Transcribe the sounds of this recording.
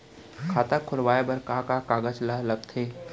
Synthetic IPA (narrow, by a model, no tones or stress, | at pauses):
kʰaːt̪akʰʊlʋaːebɐɾkakakaːɡət͡ʃlalɐɡ̚t̪ʰeː